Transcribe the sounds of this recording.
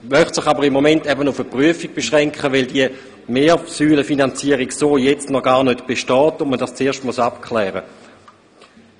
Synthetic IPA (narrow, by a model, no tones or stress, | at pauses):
mœχtsɪχabəʁimːomɛntɛbənʊfəpʁyəfiɡ̥̚b̥eʃʁɛŋkχəʋɛɪldiə | meːɐsyːləfinant͡siəʁiɡsoːjɛt͡stnɔɡ̥aːɐnøtb̥eʃtɔːtʊnmədast͡seːɐʃtmusapkʰlɛːʁə